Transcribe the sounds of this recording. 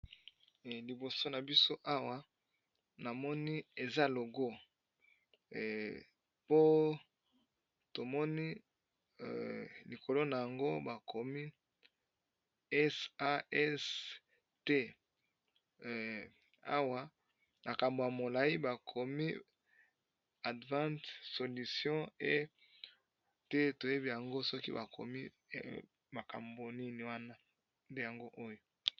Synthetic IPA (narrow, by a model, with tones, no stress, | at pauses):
li˨bo˨so˦na˨bi˦so˦ʔa˦wa˦ | na˨mɔ˦ni˦e˨za˦lo˨ɡo˦˨ | po˦ | to˨mɔ˦ni˦˨ | li˨kʰo˨lo˦na˨ja˨ŋɡo˦ba˨kʰo˨mi˦ | ɛ˦sa˦ɛ˦s | te˦ | a̰˦wa˦ | ma˨ka˨mbo˨ja˨mo˨la˨i˦ba˨kʰo˨mi˦ | a˨dvã˦tso˨li˨sjɔ̃˦e˦ | tɛ˦to˨je˦bi˦ja˨ŋɡo˦sɔ˦kḭ˦ba˨kʰo̰˨mi˦ | ma˨ka̰˨mbo˨ni˦ni˨wa˦na˦ | nde˦ja˨ŋɡo˦ʔo˦jo˨